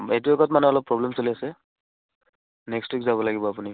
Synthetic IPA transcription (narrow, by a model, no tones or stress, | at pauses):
et̬uɛkɔtmanɛɔlɔpːɹɔblemsoliasɛ | nekstwikzabɔlaɡibɔapuni